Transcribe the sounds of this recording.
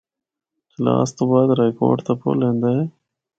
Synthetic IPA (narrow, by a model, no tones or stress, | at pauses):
xlɑ̰ːst̪obɑjad̪ɾɑjko̰ɖt̪apo̰lend̪a